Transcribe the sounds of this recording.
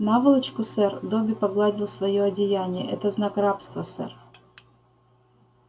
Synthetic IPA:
navɨlˠət͡ɕkʊsɛrd̪obʲɪpɐɡlˠadʲɪlˠsvɐjoɐdʲɪjanʲɪjə̰ʔɛt̪əznakrapst̪vəsɛ̰r

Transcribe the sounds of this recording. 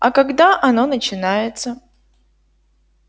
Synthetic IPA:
ɐkɐɡd̪aʔɐno̞nət͡ɕɪnajɪt̪sə

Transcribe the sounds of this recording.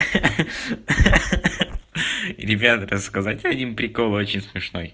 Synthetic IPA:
ɾʲɪbʲat̪rəsːkɐzatʲɐdʲimpɾʲɪko̞lˠot͡ɕɪnʲsmʲɪʂno̞̰j

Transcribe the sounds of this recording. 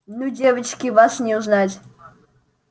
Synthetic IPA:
nudʲevət͡ɕkʲivaʂnʲɪuznatʲ

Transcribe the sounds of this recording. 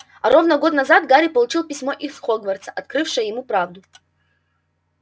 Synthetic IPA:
ɐɾʔovnəɡot̪nɐzat̪̚ɡaɾʲipɐlˠut͡ɕilˠpʲisʲmoʔifχoɡvɐrt̪sə̥ʔɐt̪̚kɾɨfʂɨjəjɪmupɾavd̪u

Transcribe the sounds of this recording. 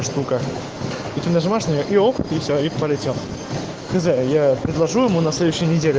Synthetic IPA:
ʂt̪ukə | it̪ʲɪmʲnaʐɨmaʂnʲɪjoʔioxət̪ifsʲoipəlʲɪtʲem | xɨzɛjapɾʲɪdlˠɐʐujɪmunɐslʲed̪ʊɕːɪjənʲɪdʲelʲɪ

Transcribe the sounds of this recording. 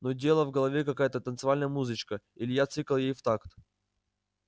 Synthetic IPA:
nodʲe̞lˠəvɡəlˠɐvʲekɐkajət̪ət̪ənt̪sɨvalʲnəjəmuzɨt͡ɕkə | ilʲɪjat̪sɨkəlˠjejft̪akt̪

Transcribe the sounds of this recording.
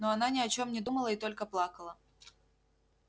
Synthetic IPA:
noɐnanʲɪɐt͡ɕo̞mnʲɪd̪uməlˠəɪt̪o̞lʲkəplˠakəlˠə

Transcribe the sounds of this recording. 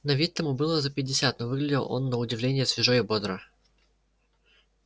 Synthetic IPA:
nɐvʲet̚ʲt̪əmubɨlˠəzəpʲɪdʲɪsʲat̪̚novɨɡlʲɪdʲɪlˠo̞̰nːəʊdʲɪvlʲenʲɪjəsvʲɪʐojʊbod̪ɾə

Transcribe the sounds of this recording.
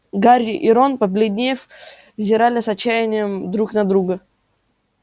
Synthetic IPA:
ɡaɾʲʔɪɾonpəpʲlʲɪd̪ʲnʲejəf | vzʲɪɾalʲɪsɐt͡ɕːæjɪnʲɪjəmd̪ɾuknɐd̪ɾuɡə

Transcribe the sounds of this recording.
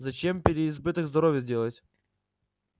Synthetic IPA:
zɐt͡ɕempʲɪɾʲɪːzbɨt̪əɡzd̪ɐɾovʲjəzʲdʲelˠətʲ

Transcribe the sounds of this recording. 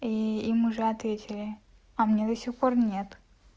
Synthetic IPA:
iimʊʐɛɐt̪vʲetʲɪlʲɪ | ɐmnʲed̪ɐsʲixpo̞rnʲe̞t̪

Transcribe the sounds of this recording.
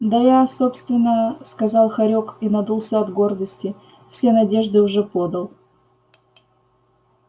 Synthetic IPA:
d̪əjaso̞pst̪vʲɪnːəskɐzɑlˠxɐɾʲokinɐd̪ulˠsʲəɐd̪ɡo̞rd̪əsʲtʲɪ | fsʲe̞nɐdʲe̞ʐd̪ɨʊʐɛpo̞d̪əlˠ

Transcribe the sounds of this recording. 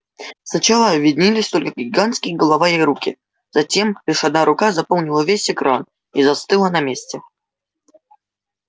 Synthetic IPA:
snat͡ʃalˠɐːbʲvʲidʲnʲilʲisʲt̪ɔlʲkəɡʲiɡant̪skʲijɡɐlˠavajajɾukʲi | z̥at͡sʲɛmlʲiʂad̪̚naɾukazapɔlˠnʲilˠɐvʲesʲɛkɾan | izast̪ɨlˠɐnɐmʲesʲt͡sʲɛ

